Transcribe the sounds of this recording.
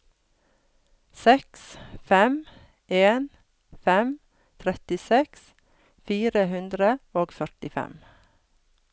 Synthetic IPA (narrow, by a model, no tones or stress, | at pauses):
sɛksfɛm | ʔeːn | fɛm | t̪ʰɾɛt̪ɪsɛks | fiːɾəhʉnd̪ɾəoːɡfœʈɪfɛ̰m